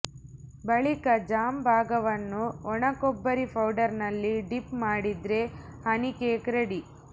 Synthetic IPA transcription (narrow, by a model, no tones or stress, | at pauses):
bɐɭikɐd͡ʒaːmbʱaːɡɐʋɐnːuɔɳɐkɔbːɐɾipʰɐwɖɐɾnɐlːiɖipmaːɽid̪ɾe̞hɐnikeːkɾɐɽi